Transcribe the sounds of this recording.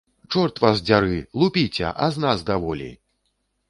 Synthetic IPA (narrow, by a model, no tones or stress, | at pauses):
t͡ʂɔrt̪vasd͡zʲaɾɨlˠupʲit͡sʲɛ̰ʔaznazd̪avɔlʲḭ